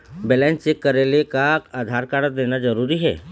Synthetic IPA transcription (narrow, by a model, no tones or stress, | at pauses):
bɛlɛ̃nst͡ʃekːəɾelekakaːd̪ʱaɾkaɽəd̪enad͡ʒəɾuɾiɦɛ̰ː